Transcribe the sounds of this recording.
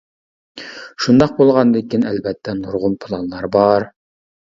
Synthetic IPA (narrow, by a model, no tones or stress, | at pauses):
ʃund̪ɑq̚bolˠʁɑnd̪ɪkʲːinɛlbɛt̪ʰːɛnuɾʁʊmpʰɨlˠɑnlˠɑɾbɑɾ